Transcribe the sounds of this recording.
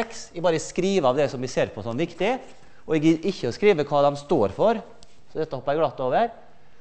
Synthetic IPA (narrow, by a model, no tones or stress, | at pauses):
ksɛɡbɑːɾəskɾiːʋəɑʋd̪ɛsɔmʋɪseːɾpʰɔsɔmʋɪkt̪ɪ | ɔɛɡəʔɪçːəskɾiːʋəkʰʋɑːd̪ɛmst̪oːɾfɔɾ | sɔd̪ɛt̪ːəɔpːɑæɡlɑt̪ːoːʋəɾ